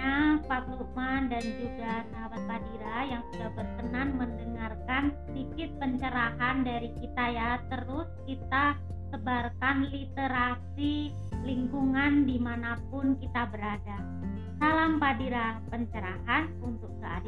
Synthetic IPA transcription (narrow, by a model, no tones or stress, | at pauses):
apat̪umandand͡ʒuɡanaɾat̪̚padiɾajaŋsudahbərkənanməndəŋarkansədikɪt̪̚pəɲt͡ʃəɾaɦandaɾikit̪ajat̪əɾʊskit̪a | səbarkanlit̪eɾasi | liŋkuŋandimanap̚ʊnkit̪abəɾada | salampadiɾapəɲt͡ʃəɾaɦan | unt̪ʊk̚kəa̰da